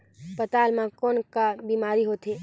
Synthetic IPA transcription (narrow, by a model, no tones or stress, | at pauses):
pət̪aːlmãkoːnkabiːmaːɾiɦot̪eː